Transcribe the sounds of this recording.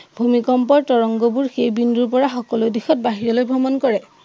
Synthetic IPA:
bʱumikɔmpɔɹtɔɹɔŋɡɔbuɹxejbinduɹpɔɹaxɔkɔlodixɔt̚baɦiɹɔlojbʱɔmɔnkɔɹɛ

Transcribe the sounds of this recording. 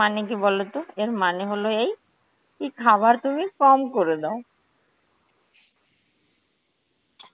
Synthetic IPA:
anek̬ibɔlot̪oeɾmaneɦoloej | kikʰaβaɾt̪umikɔmkoɾed̪ao

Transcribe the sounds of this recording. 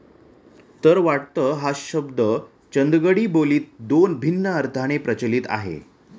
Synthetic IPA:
t̪əɾʋaʈ̚t̪əːɦaɕəbd̪ə | t͡ɕənd̪ɡəɽiːboliːt̪̚d̪onbʱinːəəɾt̪ʰaɽ̃epɾət͡ɕəlit̪a̰ɦḛ

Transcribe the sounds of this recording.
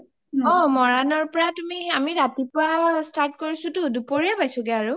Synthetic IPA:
ɔmɔɹanɔɹpɔɹatumiamiɹatipɔɹastaɹt̚koɹisʊtʊdupoɹiapajsʊɡɛaɹu

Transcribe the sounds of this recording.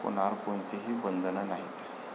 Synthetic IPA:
ko̰n̤aɾkont̪iɦiːbənd̪ʱənanaɦit̪

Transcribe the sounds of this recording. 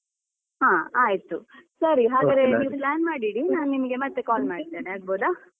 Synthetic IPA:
ɦãːaːjit̪usɐɾiɦaːɡaːd̪ɾeniːʋuplaːnmaːɽiɽinaːnunimɐɡe̞mɐt̪ːe̞kaːlmaːɽid̪eːneaːɡ̚boːd̪a

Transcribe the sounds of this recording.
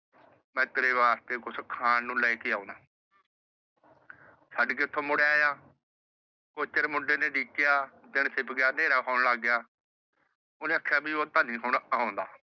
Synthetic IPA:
mɛ̃ːt̪ːɾeːʋaːst̪eːkʊskʰaːnːũːlɛːikɪaːoːnãː | saɖkeːʊt̪ʰːõːmʊɽeaːjaː | koːt͡ʃəɾmʊɖeːnẽːɖiːkɪjaːd̪ɪɳsɪpɡɪjaːneːɾaːkʰaːnlaːɡjaː | ʊnẽːəkʰːjaːbiːoːt̪aːnĩːɦʊɳõːnd̪a̰ː

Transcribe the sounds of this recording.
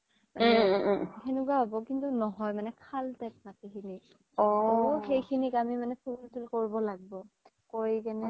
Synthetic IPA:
manɛ̃xʰenuk̬wababɔkintunɔɦɔjmanɛkʰaltɛp̚natikʰini | ɔxejkʰinikamimanɛpʰultulkoɹibɔlaɡibɔ | koɹikɛnɛ

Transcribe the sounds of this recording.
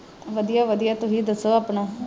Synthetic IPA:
ʋəd̪ijaːʋəd̪ijaːt̪ʊɦiːd̪əsːoːaːpɳãː

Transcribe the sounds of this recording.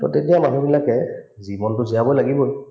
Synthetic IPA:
tɔ̰tenijamaɦibilakɛzimɔntʊzijabɔjlaɡibɔj

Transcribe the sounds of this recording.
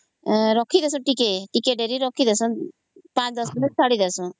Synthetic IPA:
ɾɔkʰid̪esũʈikeʈikeʈeɾiɾɔkʰid̪esɔ̃ | pãt͡ʃd̪ɔsd̪inet͡ʃʰaɽid̪ɛsũ

